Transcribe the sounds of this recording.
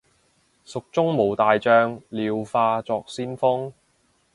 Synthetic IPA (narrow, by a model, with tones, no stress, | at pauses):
sʊ˨k̚t͡sʊ˥ŋmo˨˩wt̪aː˨jt͡ʃœː˧ŋliː˨˧wfaː˧t͡sɔː˨˧k̚siː˥nfʊ˥ŋ